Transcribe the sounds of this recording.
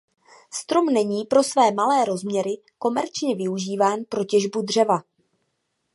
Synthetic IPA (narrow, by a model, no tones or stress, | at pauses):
st̪ɾo̞mnɛɲiːpɾo̞svɛːmalɛːɾo̞zmɲɛɾɪ | ko̞mɛɾt͡ʃɲɛvɪuʒiːvaːnpɾo̞cɛʒbudr̝ɛva